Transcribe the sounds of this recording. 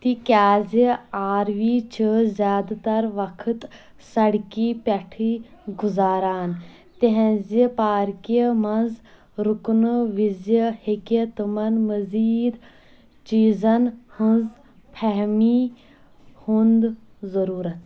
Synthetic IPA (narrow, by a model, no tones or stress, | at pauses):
t̪ikʲjaːziaːɾʋiːt͡ʃʰəzʲjaːd̪t̪ɐɾʋɐkʰɨt̪ | sɐɽkiːpɐʈʰiɡʊzaːɾaːn | t̪eɦɛ̃zipaːɾkəmɐnz | ɾʊknʋizjəhekət̪əmɐnməziːd̪ | t͡ʃiːzɐnhə̃nz | pʰɛɦmi | hund̪ | zɐɾuːɾɐt̪